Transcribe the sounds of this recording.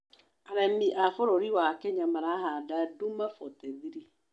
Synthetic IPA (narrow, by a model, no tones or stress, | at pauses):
aɾɛmiʔafoɾoɾiwakɛɲamaɾaɦadadumafɔtɛðiɾi